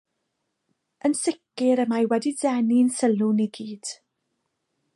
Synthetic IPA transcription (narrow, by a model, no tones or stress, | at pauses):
ənsɪkɪɾəmajwɛdidɛninsəluniɡiːd̥